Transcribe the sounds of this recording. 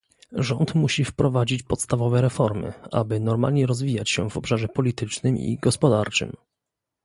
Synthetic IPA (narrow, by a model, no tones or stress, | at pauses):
ʐɔnt̪muɕifpɾɔvad͡ʑit͡ɕpɔt̪st̪avɔvɛɾɛfɔɾmɘ̰ʔa̰bɘnɔɾma̰lɲɛɾɔzvʲijat͡ɕɕɛ̰vɔpʂaʐɛpɔlʲit̪ɘt͡ʂnɘmḭɡɔspɔd̪aɾt͡ʂɘ̰m